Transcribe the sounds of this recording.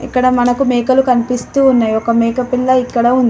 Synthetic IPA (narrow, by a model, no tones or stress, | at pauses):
ḭkːɐɽɐmɐnɐkumeːkɐlukɐnipist̪uːnːaːjɔkɐmeːkɐpilːɐikːɐɽɐund̪i